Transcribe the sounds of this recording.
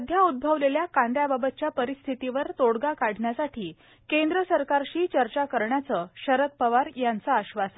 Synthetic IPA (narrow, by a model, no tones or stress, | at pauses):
d̪ʱjaud̪̚bʱəʋleljakãnd̪jababət̪̚t͡ɕjapəɾist̪ʰit̪iʋəɾt̪oɽɡakaɽ̤ɳjasaʈʰiː | kend̪ɾəsəɾkaɾɕiːt͡ɕəɾt͡ɕakəɾɳjat͡səɕəɾət̪̚pəʋaɾjant͡saəɕʋasə